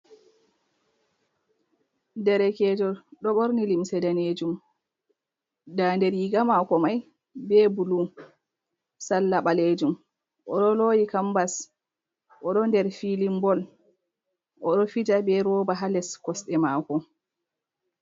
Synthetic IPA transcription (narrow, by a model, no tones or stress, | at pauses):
ndɛɾɛkɛːd͡ʒɔɗɔɓɔɾnilimsɛdaneːd͡ʒum | dandɛɾjiɡamakɔmaj | bɛbulu | salːaɓaleːd͡ʒum | ʔɔɗɔlojikambas | ʔɔɗɔndɛɾfilimbɔl | ʔɔɗɔfid͡ʒabɛɾɔːbaɦalɛskɔsɗɛmaːkɔ